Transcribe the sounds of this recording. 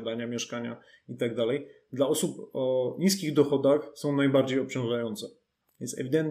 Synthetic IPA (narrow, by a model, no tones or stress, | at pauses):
d̪aɲamʲjɛʂkaɲa | it̪aɡ̚d̪alɛj | d̪laɔsupɔɲis̬kʲiɣd̪ɔxɔd̪axsɔ̃w̃najbaɾd͡ʑejɔpt͡ɕɔ̃w̃ʐajɔnt̪sɛ | vʲɛnsɛ̰vʲid̪ɛnt̪